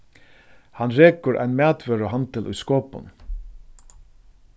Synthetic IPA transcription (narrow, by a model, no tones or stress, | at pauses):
hanɾeːkʊɾʔæ̰ɪnmæːt̪ʋœɾoɦant̪ɪlʔʊ̰jskoːpʊ̰n